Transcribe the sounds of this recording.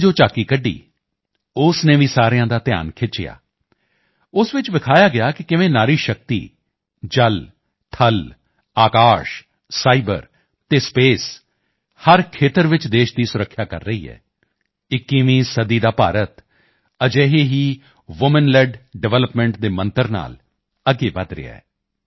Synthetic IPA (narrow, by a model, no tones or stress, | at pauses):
d͡ʒoːt͡ʃaːkiːkəɖːḭː | ʊsnẽːʋiːsaːɾejãːd̪aːt̪ɪja̰ːnkʰɪt͡ʃɪ̰ja̰ː | ʊsʋɪt͡ʃʋɪkʰaːjaːɡɪjaːkɪkɪʋẽːnaːɾiːʃək̚t̪ḭː | d͡ʒəl | t̪ʰəl | aːkaːʃ | saːibə̰ɾ | t̪eːspeːs | həɾkʰeːt̪əɾʋɪt͡ʃd̪eːʃd̪iːsʊɾəkʰːjaːkə̰ɾːəɦiːɦɛ̰ː | ɪkːiːʋĩːsəd̪iːd̪aːpaːɾət̪ | əd͡ʒeːɦeːɦiː | ʋʊmənlɛɖɖɛʋɛːləpmɛ̃ːɳʈd̪eːmə̃nt̪əɾna̰ːl | əɡːeːbəd̪ɾɪ̰a̰ːɛ̰ː